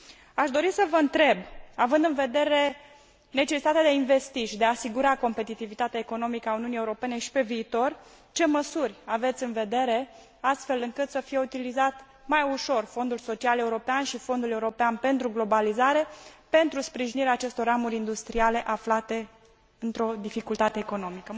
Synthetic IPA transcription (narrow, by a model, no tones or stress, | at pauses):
aʃd̪o̞ɾisəvəɨnt̪ɾe̞bavɨnd̪ɨnve̞d̪e̞ɾe̞ | ne̞t͡ʃesit̪at̪ead̪eainve̞st̪iʃid̪eaːsiɡuɾako̞mpe̞t̪it̪ivit̪at̪eaeko̞no̞mikəauniunie̞uɾo̞pe̞ne̞ʃi̥pe̞viːt̪o̞r | t͡ʃe̞məsurʲave̞t̪sʲɨnve̞d̪e̞ɾe̞ | ast̪fe̞lɨŋkɨt̪səfije̞ut̪ilizat̪ | majuʃo̞rfo̞nd̪ulso̞t͡ʃiale̞uɾo̞peanʃifo̞nd̪ule̞uɾo̞peanpe̞nt̪ɾuɡlo̞balizaɾe̞pe̞nt̪ɾuspɾiʒiniɾeaːt͡ʃe̞st̪o̞ɾamuɾʲind̪ust̪ɾiale̞ʔaflat̪e̞ | ɨnt̪ɾo̞d̪ifikult̪at̪e̞ːko̞no̞mikə